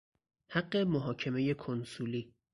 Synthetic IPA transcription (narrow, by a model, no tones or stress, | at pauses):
haɢːe̞moɦɒːcʰe̞me̞je̞kʰonsuliː